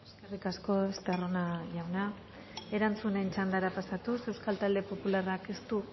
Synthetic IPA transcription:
eskerikasko̞est̪aro̞naʝawna | e̞ɾant͡sunent͡ʃand̪aɾapasat̪use̞wskalt̪ald̪e̞po̞pularake̞st̪u

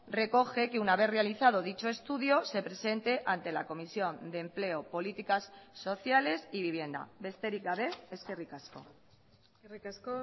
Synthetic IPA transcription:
re̞ko̞xe̞ke̞unaβ̞e̞θre̞aliθað̞o̞ðit͡ʃo̞e̞st̪uðio̞se̞pɾe̞se̞nt̪e̞ʔant̪e̞lako̞misjo̞nd̪e̞mple̞opo̞lit̪ikasːo̞θjale̞siβiβje̞nd̪a̰βe̞st̪e̞ɾikɡaβe̞eskerikasko̞̰ | ras

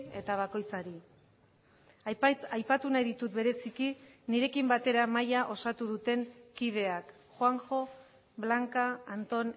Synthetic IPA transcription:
e̞t̪aβ̞ako̞jt͡saɾi | ajpat̪unajðit̪ut̪̚be̞ɾe̞sikiniɾe̞kimbat̪e̞ɾamajaʔo̞sat̪uð̞ut̪e̞ŋkið̞e̞ak | xwaŋxo̞ | βlaŋkaːnt̪o̞n

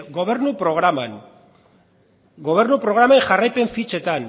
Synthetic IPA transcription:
ɡo̞βe̞ɾnupɾo̞ɣ̞ɾaman | ɡo̞β̞e̞ɾnupɾo̞ɣ̞ɾamaeŋʝarajpe̞ɱfit͡ʃe̞t̪an

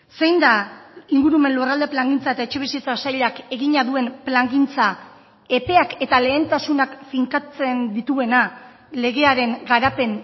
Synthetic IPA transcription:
se̞jnd̪aiŋɡuɾume̞nlurald̪e̞plaŋɡint͡saet̪aet͡ʃe̞βisiet͡sasajʎake̞ɣiɲaðue̞nplaŋɡint͡sa | e̞pe̞ake̞t̪ale̞ːnt̪asunakfiŋkat͡se̞nd̪it̪ue̞na | le̞ɣ̞e̞aɾe̞ŋɡaɾape̞n

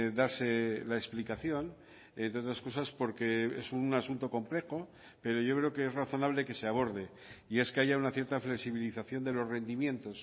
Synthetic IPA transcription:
ðaɾse̞laeksplikaθjo̞n | ent̪ɾeot̪ɾasko̞saspo̞ɾke̞esunasunt̪o̞ko̞mple̞xo̞ | pe̞ɾo̞ʝo̞kɾe̞okeezraθo̞naβ̞le̞ke̞se̞aβo̞ɾð̞e̞ | ie̞ske̞aʝaunaθje̞ɾt̪afle̞ksiβ̞iliθaθjo̞nd̪e̞lo̞zre̞nd̪imje̞nt̪o̞s

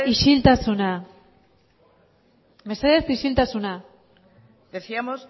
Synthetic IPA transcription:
iʃilt̪asuna | meseðesiʃilt̪asuna | d̪eθiamos

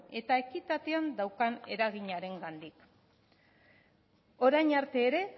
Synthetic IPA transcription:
e̞t̪ae̞kit̪at̪e̞and̪awkane̞̰ɾaɣiɲaɾe̞ŋɡand̪ik | o̞ɾajɲaɾt̪e̞ːɾe̞

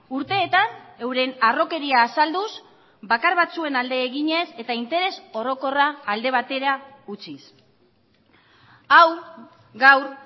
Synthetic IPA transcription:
uɾt̪e̞ːt̪ane̞wɾe̞naro̞ke̞ɾiaːsald̪us | bakaɾβat͡sue̞nald̪e̞ːɣiɲe̞se̞t̪aint̪e̞ɾe̞so̞ɾo̞ko̞raːld̪e̞β̞at̪e̞ɾaut͡sis | aw | ɡawɾ

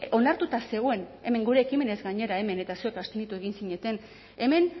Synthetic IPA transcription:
o̞naɾt̪ut̪ase̞ɣ̞oe̞ne̞me̞ŋɡuɾe̞ːkime̞ne̞zɡaɲe̞ɾae̞me̞ne̞t̪asue̞kast̪enit̪ue̞ɣ̞insiɲe̞t̪e̞n | e̞me̞n

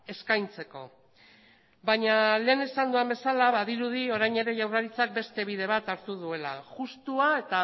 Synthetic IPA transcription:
e̞skajnt͡se̞ko̞̰ | baɲale̞ːne̞sand̪uambe̞salaβaðiɾuð̞io̞ɾajɲe̞ɾe̞ʝawraɾit͡sak̚be̞st̪e̞β̞iðe̞β̞at̪aɾt̪uð̞ue̞la̰ʝust̪uae̞t̪a

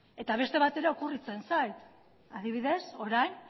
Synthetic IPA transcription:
e̞t̪aβ̞e̞st̪e̞β̞at̪e̞ɾeokurit͡se̞nsajt̪ | aðiβ̞iðe̞so̞ɾajn

